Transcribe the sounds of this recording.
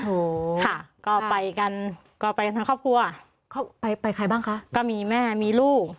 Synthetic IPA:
ʔo˨˦kʰa˥˩kɔː˥˩pa˧jka˧n | kɔː˥˩pa˧jka˧t̪ʰa˧kʰɔː˥˩kʰu˧ɐ˧ | kʰɔ˥˩pa˧jpa˧jkʰa˧jbaː˥˩ŋkʰa˦˥ʔkɔː˥˩miː˧mɛː˥˩miː˧luː˥˩k̚

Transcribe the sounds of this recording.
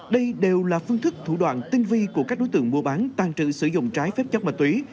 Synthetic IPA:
ɗə˧jɗe˨˩wlaː˨˩fɨ˧əŋt̪ʰɨ˦˥k̚t̪ʰu˧˩ɗwa̰ː˧˨nt̪i˧nvi˧ku˧˩əkaː˦˥k̚ɗo˨˦jt̪ɨ̰˧˨əŋmu˧˩əɓaː˨˦nt̪aː˨˩ŋt͡ɕɨ̰˧˨sɨ˧˩zʊ̰˧˨ŋ͡mt͡ɕaː˨˦jfɛ˦˥p̚t͡ɕə˦˥mə˨˩t̪wi˨˦

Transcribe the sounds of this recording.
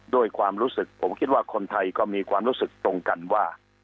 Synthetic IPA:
du˥˩əjkʰwaː˧mɾuː˦˥sɯ˨˩k̚pʰo˩˦mkʰi˦˥t̪̚waː˥˩kʰo˧nt̪ʰa˧jkɔː˥˩miː˧kʰwaː˧mɾuː˦˥sɯ˨˩k̚t̪ɾo˧ŋka˧nwaː˥˩

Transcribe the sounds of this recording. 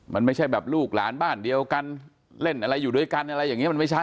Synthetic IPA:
ma˧nma˥˩jt͡ɕʰa˥˩jbɛː˨˩p̚luː˥˩k̚la̰ː˩˦nbaː˥˩ndi˧əwka˧n | le˥˩nʔa˧ɾa˧jːuː˨˩du˧˩əjka˧nʔa˧ɾa˧jːaː˨˩ŋi˦˥˨m˧ma˥˩jt͡ɕʰa˦˥˩

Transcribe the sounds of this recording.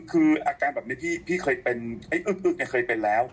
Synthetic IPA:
kʰɯː˧ʔaː˧kaː˧nbɛː˨˩pni˦˥˦pʰiː˥˩pʰiː˥˩kʰɤː˧jpe˧nha˥˩jʔɯː˨˩k̚ʔɯː˨˩k̚ni˧˨˩kʰɤː˧jpe˧nlɛː˦˥w

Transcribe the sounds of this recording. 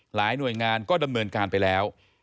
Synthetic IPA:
laː˩˦jnu˨˩əjŋaː˧nkɔː˥˩da˧mnɤː˧nkaː˧npa˧jlɛː˦˥w

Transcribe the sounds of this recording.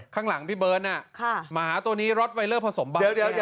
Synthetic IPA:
kʰaː˥˩ŋla˩˦ŋpʰiː˥˩bɤː˦˥nʔa˧˥˩kʰa˧˩maː˧˩ɦaː˩˦t̪u˧ɐniː˦˥ɾo˦˥t̪̚wa˧jlɤː˥˩pʰa˧so˩˦mba˧i˦˥i˦˥

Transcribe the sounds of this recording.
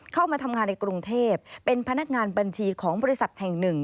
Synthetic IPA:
kʰa˥˩wmaː˧t̪ʰa˧mŋaː˧nːa˧jkɾu˧ŋt̪ʰeː˥˩p̚ːe˧npʰa˧na˦˥k̚ŋaː˧nba˧nt͡ɕʰiː˧kʰɔː˩˦ŋbɔː˧ɾi˥sa˨˩t̪̚hɛ˨˩ŋnɯ˨˩ŋ

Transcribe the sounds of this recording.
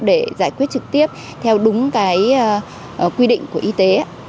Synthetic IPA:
ɗe˧˩zaː˧˩jkwi˦˥ət̚t͡ɕɨ˨˩k̚t̪i˦˥əp̚ | t̪ʰɛ˧wɗʊ˨˦ŋ͡mkaː˨˦j | kwi˧ɗḭ˧˨ŋ̟ku˧˩əʔi˧t̪e˨˦a˧˦

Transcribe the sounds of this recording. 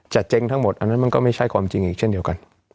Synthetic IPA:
t͡ɕa˨˩t̪̚t͡ɕe˧ŋt̪ʰa˦˥ŋmo˨˩t̪̚ʔa˧nːa˦˥nma˧nkɔː˥˩ma˥˩jt͡ɕʰa˦˥˩jkʰwaː˧mt͡ɕi˧ŋʔiː˨˩k̚t͡ɕʰe˥˩di˧wka˧n

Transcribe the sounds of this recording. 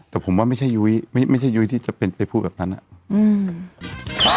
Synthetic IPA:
t̪ɛː˨˩pʰo˩˦mwaː˥˩ma˥˩jt͡ɕʰa˥˩jːu˦˥jma˥˩jma˥˩jt͡ɕʰa˥˩jːu˦˥jt̪ʰiː˥˩t͡ɕa˨˩pe˧npa˧jpʰuː˥˩bɛː˨˩p̚na˦˥nːʔa̰˨˩ʔʔɯː˧˩˦

